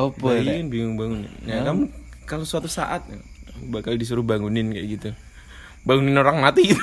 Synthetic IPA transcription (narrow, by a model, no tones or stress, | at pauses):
opɔkanbiŋŋbaŋunɪ̰njakamukalosuat̪usa̰ʔat̪̚a | kamubakaldis̬uɾʊhbaŋunɪnkaʔa̰ɡit̪u | baŋunɪnoɾaŋmat̪iɡit̪